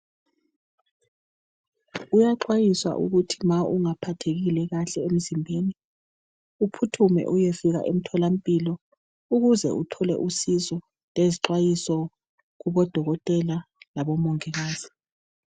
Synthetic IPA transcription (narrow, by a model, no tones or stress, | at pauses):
ujaǃwajiswa̰ʔṵɣutʰimauŋapʰatʰeɣilɛɣaɬɛem̩zimbʱeːni | upʰutʰumɛ̰ʔujefiɣa̰ʔem̩tʰɔlam̩pʼilɔ | uɣuzɛ̰utʰɔlɛ̰ʔusizɔ | leziǃwajisɔ | ɣuβɔd̥ʱɔɣɔtʼɛlalaβɔmɔŋɛɣaːz̥i